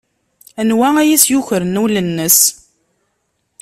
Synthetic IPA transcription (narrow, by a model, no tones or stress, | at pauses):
ænwææjisjuçəɾənulənːəs